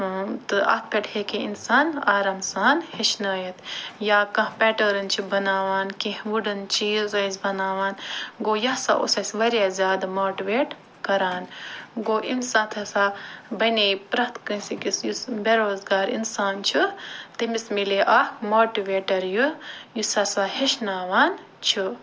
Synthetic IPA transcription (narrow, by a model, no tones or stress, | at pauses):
t̪ɨɐ̰pʰeʈheːkiinsaːnaːɾaːmsaːnheʃnɐːjɐt̪ʰjaːkɐ̃hpɛːʈɐɾɨnt͡ʃʰibɐnaːʋaːnkĩhʋuɖɨnt͡ʃʰiːzɐsbɐnaːʋaːnɡoːjɐhsa̰ʔṵsɐsʲʋɐɾʲjaːzʲjaːd̪ɐmoːʈiʋeːʈ | kɐɾaːnɡoːʔimsãːt̪ʰɐsaːbɐneːpɾɐht̪kɐ̃nsikisjusbeɾoːzɡaːɾḭnsaːnt͡ʃʰit̪imismileːʔɐhmoːʈiʋeːʈɐɾjujusɐsaːheʃnaːʋaːn | t͡ʃʰi